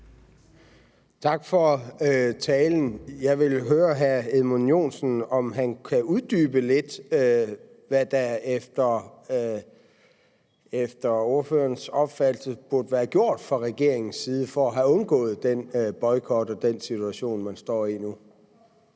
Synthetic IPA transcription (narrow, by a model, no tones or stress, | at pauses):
t͡sʰɑ̈ɡ̥fɒ̽t͡sʰɛːln̩jɑ̈ɪʋe̝lɦøːɐɦæɐeðˠmo̝njo̝̰ːnsn̩ɒ̽mɦænkʰæuðˠd̥yːb̥əle̝d̥ | ʋæd̥æefd̥ɐ | efd̥ɐo̝ɐføːɐnsɒ̽b̥fæd̥l̩səb̥uɐd̥əʋæːɐɡ̥jo̝ɐ̰d̥fʁɑ̈ʁɛɡ̥e̝ɐ̰eŋn̩sːiːð̞ˠəfɒːɦæɔ̽nɡ̥ɔ̰̽ːð̞̩ˠd̥enb̥ɒ̽ɪkʰɒd̥ɒ̽d̥ensit͡sʰuæɕo̝̰ːnmænsd̥ɒ̰ːinu